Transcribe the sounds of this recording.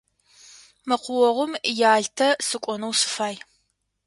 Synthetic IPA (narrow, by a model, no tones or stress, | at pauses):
mɨqʷʊwɔʁʷʊmjaːɮtʰɐsɨkʷʼɔnɐwsɨ̥faːj